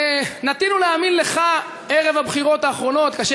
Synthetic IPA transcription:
nat̪inuleaminle̞χa | eʁe̞vabχiʁo̞t̪aːχʁo̞no̞t̪kaʃ

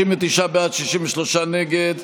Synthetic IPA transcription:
imvet̪iʃabeat̪ʃiʃimveʃlo̞ʃaneɡed̪

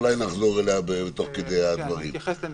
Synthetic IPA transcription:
lajnaχzoʁeleabebet̪o̞χked̪ejad̪vaʁim

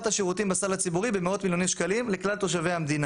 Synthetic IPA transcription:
t̪haʃeʁut̪imbasalhat͡sibuʁibemeo̞t̪miljo̞nimʃkalimleklalt̪o̞ʃ̬avehamd̪ina

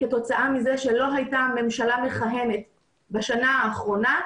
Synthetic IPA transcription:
keto̞t͡saʔamizeʃelo̞ɦajtame̞mʃalameχaɦe̞me̞t | baʃanaaːχʁo̞na

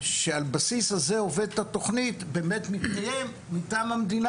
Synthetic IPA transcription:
ʃealbasishaze̞o̞ve̞d̪̚t̪at̪o̞χnit̪be̞ːme̞t̪mitkajemːitaːmamd̪in

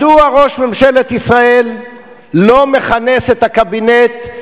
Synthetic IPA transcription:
duaʁo̞ʃmemʃelet̪isʁae̞lː | o̞me̞χane̞set̪hakabinet̪

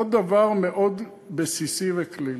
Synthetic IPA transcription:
od̪avaʁmeʔod̪ | besisivekli

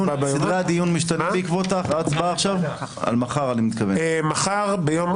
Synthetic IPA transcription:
id̪ʁaad̪ijunmiʃt̪anefbeikvot̪aχad̪t͡sbaːχʃava̰lmaχaʁanimit̪kavemaχaʁbejom

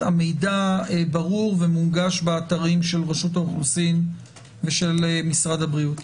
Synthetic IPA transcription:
amejdaebaʁuʁvemumɡaʃbeːt̪aʁimʃe̞lʁeʃutaoχlusim | veʃelmisʁadhabʁiut

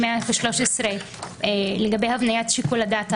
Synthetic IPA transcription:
meaveʃlo̞ʃesʁe | leɡabejhavnajatʃikuladat

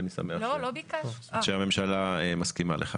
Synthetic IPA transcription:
nisa̰meaolobikaaʃeame̞mʃalaemaskima̰lʔeχa

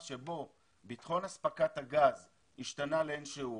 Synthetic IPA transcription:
ʃebo̞ | bit̪χo̞naspakathaɡaz | iʃtanaleenʃeu

